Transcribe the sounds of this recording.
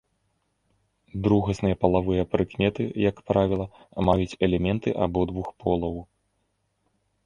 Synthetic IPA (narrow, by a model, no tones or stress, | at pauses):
d̪ɾuɣɐsnɨjɐpɐlˠavɨjɐpɾɨkmʲɛt̪ɨjɐkpɾavʲilˠɐ | majut͡sʲɛlʲɛmʲɛnt̪ɨʔabɔd̪vuxpʰɔlˠɐw